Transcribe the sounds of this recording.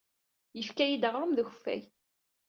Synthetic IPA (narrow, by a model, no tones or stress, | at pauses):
jəfkæjid̪əʁɾˤəmðəçfæ̰j